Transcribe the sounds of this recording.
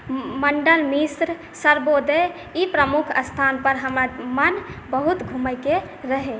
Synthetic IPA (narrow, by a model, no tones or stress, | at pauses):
məɳɖəlmisɾ | səɾbod̪ə | ipɾəmukʰə̰st̪ʰanpəɾɦəmɾamənbəɦut̪ɡʱuməjke | ɾəɦe